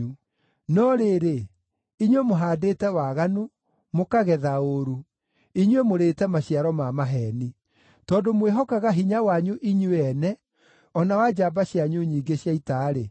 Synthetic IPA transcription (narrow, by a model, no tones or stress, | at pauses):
u | nɔɾeɾe | iɲwemoɦaːdeːtɛwaɣanu | mokaɣɛðaoɾu | iɲwemoɾeːtɛmaɕiaɾɔmamaɦɛni | tɔːdomweɦɔkaɣaɦiɲawaɲuʔiɲuɛnɛ | ɔnawad͡ʑabaɕjaɲuɲiːɡeɕjaitaɾe